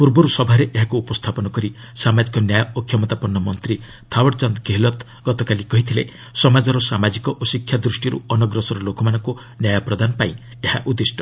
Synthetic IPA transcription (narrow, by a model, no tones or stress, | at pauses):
puɾbɔɾusɔbʱaɾeʔeɦakuːpɔst̪ʰapɔnɔkɔɾi | samad͡ʒikɔnjajɔɔkʰjɔmɔt̪apɔnːɔmɔnt̪ɾi | t̪ʰawɔɽt͡ʃɔnd̪keɦelɔt̪ | ɡ̥ɔt̪ɔkalikɔɦit̪ʰile | sɔmad͡ʒɔɾɔsamad͡ʒikɔʔosikʰjad̪ɾusʈiɾṵɔnɔɡɾɔsɔɾɔlokɔmanɔŋku | njajɔpɾɔd̪anɔpaĩ | ehaʔud̪isʈɔ̥